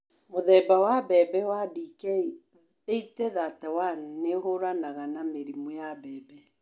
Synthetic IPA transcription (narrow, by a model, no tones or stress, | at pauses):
moðɛbawabɛbɛwadikɛ | eitɛðatɛwaneɦoɾanaɣanameɾimwojabɛːbɛ